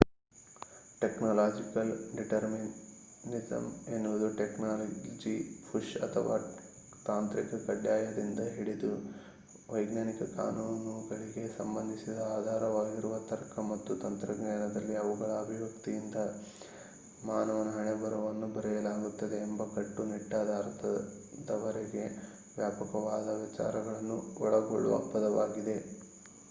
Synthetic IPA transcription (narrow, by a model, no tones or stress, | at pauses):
ʈeknoːlaːd͡ʒikɐlɖiʈɐɾmin | nid͡ʒɐ̰me̞nːuʋud̪uʈeknaːlɐd͡ʒipʰuʂɐ̰t̪ʰɐʋa̰ː | t̪aːnt̪ɾikɐkɐɖjaːjɐd̪ind̪ɐɦiɽid̪u | ʋɐjɡnaːnikɐka̰ːnuːnnuɡɐɭiɡe̞sɐmbɐnd̪ʱisid̪ɐaːd̪ʱaːɾɐʋaːɡiɾuʋɐt̪ɐɾkʰɐmɐt̪ːut̪ɐnt̪ɾɐɡnaːnɐd̪ɐlːiɐʋuɡɐɭɐːbʱiʋɐkt̪ijind̪ɐ | maːnɐʋɐnɐɦɐɳebɐɾɐʋɐnːubɐɾɛjɐlaːɡut̪ːɐd̪e̞ːmbɐkɐʈːuniʈːaːd̪ʱaːɾt̪ɐ | d̪ɐʋɐɾeɡe̞ | ʋjaːpɐkɐʋaːd̪ɐʋɐt͡ʃa̰ːɾɐɡɐɭɐnːuɔɭɐɡoɭːṵʋɐ̰pːɐd̪ɐʋaːɡid̪e̞